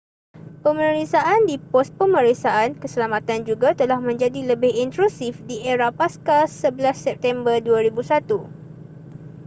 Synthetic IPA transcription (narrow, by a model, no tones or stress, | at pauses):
pəmə̃ɾisaʔandipɔst̪̚pəmə̃ɾisaʔankəsəlamat̪and͡ʒuɡat̪əlahmə̃ɲd͡ʒadiləbɪhint̪ɾusifdiʔɛɾapaskasəbəlasːɛp̚t̪ɛmbərduaɾibusat̪u